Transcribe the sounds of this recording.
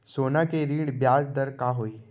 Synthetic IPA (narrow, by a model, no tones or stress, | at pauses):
sonakeɾiːɽbjad͡zd̪əɾkaɦoːi